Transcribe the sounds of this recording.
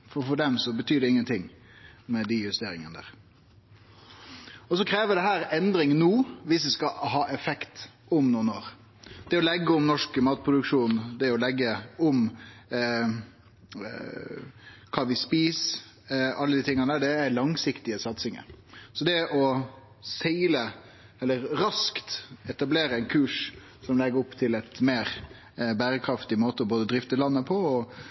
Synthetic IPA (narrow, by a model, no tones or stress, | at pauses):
fɔfɔɖɛmsɔbət̪ʰyːd̪ɛɪŋːənt̪ʰɪŋ | mɛd̪ɪjʉst̪eːɾɪŋənəd̪æ̰ːɾ | ɔs̬ɔkʰɾeːʋəd̪ɛɦæːɾɛnd̪ɾɪŋnuːʋɪsʋɪskɑɦɑːʔɛfɛkt̪ | ɔmnuːənoːɾ | d̪̥ɛɔlɛɡːəɔmnɔʂkmɑːt̪̚pʰɾʊd̪ʉkʂuːnd̪ɛɔlɛɡːəɔm | kʰɑːʋɪspiːs | ɑlːəd̪iːt̪ʰɪŋːənəd̪æːɖɛælɑŋsɪkt̪ɪəsɑt̪sɪŋə̰ɾsɔd̪ɛʔɔ | sɛɪlə | ɛlːəɾɾɑskt̪ɛt̪ɑbleːɾəɛɪnkʰʉːʂ | sɔmlɛɡəɾʊpːt̪ʰɪlɛt̪meːɾ | bæːɾəkʰɾɑft̪ɪmoːt̪əɔboːd̪əd̪ɾɪft̪əlɑnːəpʰɔɔ